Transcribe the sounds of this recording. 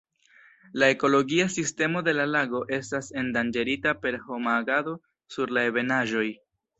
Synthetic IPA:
lae̞ko̞lo̞ɡiasiste̞mo̞d̪e̞lalaɡo̞ʔe̞stase̞ndand͡ʒe̞ɾitape̞ɾho̞maːɡado̞ | suɾlae̞βe̞naʒo̞j

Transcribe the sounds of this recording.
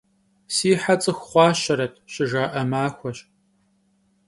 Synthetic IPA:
siːħat͡sʼɨxχʷɑːɕɐɾɐtʰɕɪʒaːʔɐmaːxʷɔɕ

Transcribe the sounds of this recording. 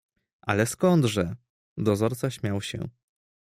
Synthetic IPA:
ʔa̰lɛskɔnd̪ʐɛ | d̪ɔzɔɾt̪saɕmʲjawɕɛ̰̃

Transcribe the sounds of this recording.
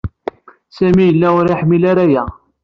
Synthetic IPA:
sæmijəlːæʊɾaħmilaɾæjæ

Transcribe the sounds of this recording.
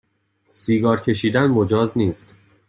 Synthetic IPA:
siːɡɒːɾcʰe̞ʃiːd̪ænmod͡ʒɒːzniːst̪

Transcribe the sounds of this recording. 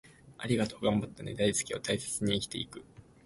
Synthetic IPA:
aɾʲiɡat̪o̞ːɡãmbat̪ːaned̪aisɨ̥kʲiot̪aise̥t͡sɨɲ̟iːkʲi̥t̪e̞̰ikɯ̟

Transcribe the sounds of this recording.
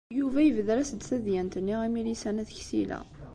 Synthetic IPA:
juvæjəvəðɾæsəd̪θæðjænt̪ənːiʁimilisænæθçsilæ̰

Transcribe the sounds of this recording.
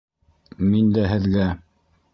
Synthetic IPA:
mind̪æɦɘ̆ðɡæ

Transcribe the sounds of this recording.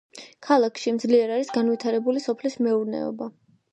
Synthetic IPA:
kʰalˠakʰʃimd̪zliɛɾaɾisɡanvwit̪ʰaɾɛbulisɔpʰlismɛuɾnɛ̰ɔ̰ba

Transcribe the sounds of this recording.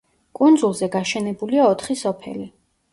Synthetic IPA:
kʼund̪zulˠzɛɡaʃɛnɛbuliaɔt̪ʰχisɔpʰɛ̰li

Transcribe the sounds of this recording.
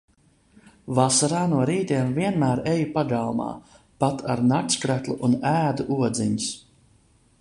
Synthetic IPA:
vasaɾaːnuɔɾiːt̪iɛmviɛnmæːɾejupaɡalˠma̰ː | pat̪ʰaɾnakskɾæt̪lˠuʔunæːd̪uʔuɔd̪ziɲis

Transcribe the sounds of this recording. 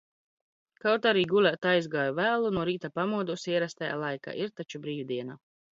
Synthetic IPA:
kawt̪aɾiːɡulʲat̪ajzɡaːjuvæːlˠunuɔɾiːt̪apamuɔd̪usiɛɾast̪aja̰ːlˠajka̰ːʔiɾt̪at͡ʃubɾiːwd̪iɛna

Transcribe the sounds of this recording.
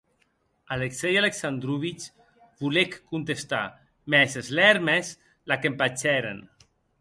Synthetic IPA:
aleksɛjaleksand̪ɾuβit͡ʃ | βulekːunt̪est̪a̰ | mɛzezlɛɾmɛz | lakempat͡ʃɛɾḛn

